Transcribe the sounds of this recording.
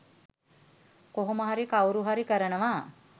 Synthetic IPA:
koɦoməɦaɾikawɾuɦaɾikəɾənəʋa

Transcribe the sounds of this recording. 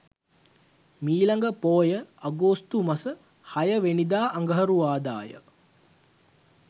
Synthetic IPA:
miːlaŋɡəpoːjəaɡoːst̪umɐsə | hajəʋenid̪aːʔaŋɡəɦəɾuʋaːd̪a̰ːjə̰

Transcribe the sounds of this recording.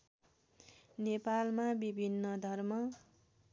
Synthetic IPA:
nepalmabibʱinːʌd̪ʱʌrmʌ

